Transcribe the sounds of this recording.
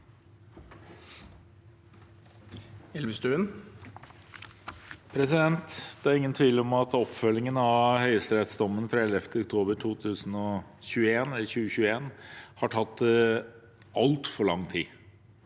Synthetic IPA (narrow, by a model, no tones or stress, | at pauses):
ɛlʋəst̪ʉːən | pʰɾɛsɪd̪ɛnt̪d̪̥ɛæɾɪŋːənt̪ʰʋiːləɔmɑt̪ɔpfœlːɪŋənɑʋhœʏəst̪ɾɛt̪sd̪ɔmːənfɾɑɛlɛft̪əɔk̚t̪ʰoːbəɾʈʰuːt̪ʰʉːsən̩ɔçʉːəeːnɛlçʉːəɕʉːəeːnhɑʈʰɑt̪ː | ɑlt̪fɔɾɭɑŋːt̪ʰiː